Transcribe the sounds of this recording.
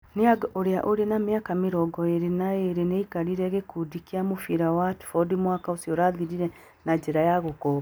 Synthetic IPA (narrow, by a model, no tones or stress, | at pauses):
neaɡʔoɾeaʔoɾenameakameɾɔɡɔeɾenaeɾeneikaɾiɾɛɣekudikiamofiɾawatu̥fɔdimwakaosjɔɾaːðiɾiɾɛ | nad͡ʒeɾajaɣokɔa